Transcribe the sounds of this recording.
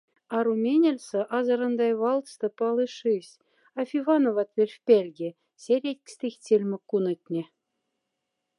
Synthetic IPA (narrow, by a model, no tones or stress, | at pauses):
ɑɾumʲenʲĕlʲsɤ̆ʔɑzɤ̆ɾɤ̆nd̪ɑjβɑlˠt̪st̪ɤ̆pɑlˠɯʂisʲ | ɑfʲivɑnovɑt̪vʲelʲfʲpʲelʲɡʲĕ | sʲeɾʲetʲkʲsʲt̪ixʲt͡sʲelʲmʲɘ̆kːunɤ̆t̪ʲnʲĕ